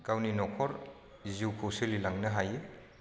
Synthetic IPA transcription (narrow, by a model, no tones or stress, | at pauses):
ɡ̥awninɔkʰɔɾ | ziwkʰɯwselilaŋnɐɦaje